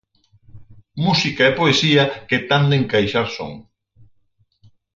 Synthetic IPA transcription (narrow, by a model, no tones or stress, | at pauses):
musikaepoesiɐket̪and̪ẽŋkajʃaɾso̰ŋ